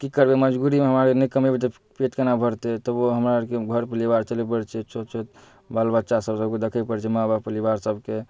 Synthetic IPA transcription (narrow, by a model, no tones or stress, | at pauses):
kikəɾbeməd͡ʒɡuɾimeɦəmaɾenəkəmebet̪̬ə | pet̪kenabʱəɾt̪et̪əboɦəmɾakeɡʱəɾpəlibaɾt͡ʃəlepəɽt͡ʃʰɛt͡ʃʰot̪t͡ʃʰot̪ | balbət̪ːʃasəbsəb̚ked̪ekʰəpəɽt͡ʃʰɛmãbapəlibaɾsəbke